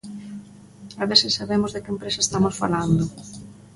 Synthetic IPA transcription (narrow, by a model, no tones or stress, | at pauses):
aβesɪsːaβemozðekempɾesae̥st̪amosfa̰land̪ʊ